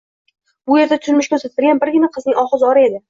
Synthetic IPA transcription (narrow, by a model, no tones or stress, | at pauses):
b̥ʊje̞ɾd̪at̪ʰʊ̥ʃʊnmɪʃkʲʰɵɾsat̪ʰɪɾɡʲanbɪɾɡʲɪnaqʰɨznɪŋʲɒχɨzɒɾɪe̞d̪ɪ